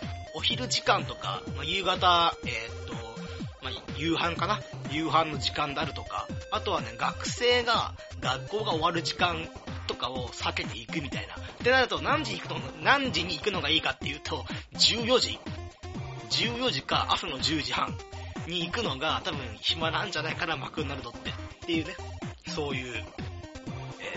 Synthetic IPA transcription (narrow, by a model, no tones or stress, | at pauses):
o̞çiɾɯ̟ʑikãnt̪o̞ka̰majɯːɡat̪aet̪ːo̞majɯːhãŋkanajɯ̟ːɦãnːo̞d͡ʑikãnd̪e̞aɾɯ̟t̪o̞ka̰ːt̪o̞βane̞ɡakɯ̟̥se̞ːɡa | ɡakːo̞ːɡao̞βaɾɯ̟ʑikãnt̪o̞kao̞sake̞t̪e̞ikɯ̟mʲit̪aina̰t̪e̞naɾɯ̟t̪o̞nãɲ̟d͡ʑiɲ̟ikɯ̟t̪oanãɲ̟d͡ʑiɲ̟iːkɯ̟no̞ɡaiːkat̪ːe̞jɯ̟ːt̪ʰo̞d͡ʑɨːjo̞ʑḭ | d͡ʑɨːjo̞ʑika̰ʔasano̞ʑɨːʑihã̰ŋɲ̟iːkɯ̟no̞ɡat̪abɯ̟̃ɰ̃çimaɾãɲ̟d͡ʑanaikaɾamakɯ̟nːaɾɯ̟t̪o̞t̪ːe̞t̪ːe̞jɯ̟ːne̞so̞ːjɯ̟ː | ḛː